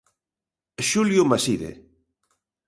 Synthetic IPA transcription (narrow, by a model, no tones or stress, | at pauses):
ʃuljʊmasiðḛ